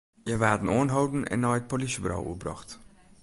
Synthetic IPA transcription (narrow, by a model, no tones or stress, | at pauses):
jəʋaːdənoːnɦowdənɛ̰nːɔjət̚polisəbɾa̰wṵbrɑ̰χt